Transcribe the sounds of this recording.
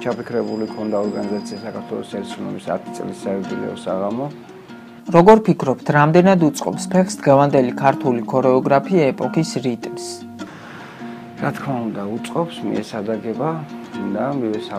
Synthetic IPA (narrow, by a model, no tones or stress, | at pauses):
t͡ʃʰapikʰɾɛbulikʰɔnd̪aɔɾɡanizat̪sʰiasakʰaɾt̪ʰwɛlˠɔsɛɾsunɔ̰bisa̰t̪ʰit̪sʼlisːaɛɡ̪ilɛ̰ɔsaʁamɔ | ɾɔɡɔɾpʰikʰɾɔpt̪ʰɾamd̪ɛnad̪ut̪sʼqʼɔ̰pspʰɛχsd̪̥ʁɛvand̪ɛlikʰaɾt̪ʰulikʰɔɾɛɔɡɾapʰiaɛpʼɔkʰisɾit̪ʼms | ɾat̪ʰkʰmaund̪aut̪sʼqʼɔpsmḭɛsad̪aɡɛbad̪amivɛsa